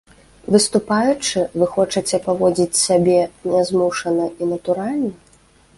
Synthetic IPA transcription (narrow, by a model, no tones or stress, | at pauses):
vɨst̪upajut͡ʂɨvɨxɔt͡ʂɐt͡sʲɛpavɔd͡zʲit͡sʲsʲabʲɛnʲɛzmuʂɐnɐinɐt̪uɾalʲnɐ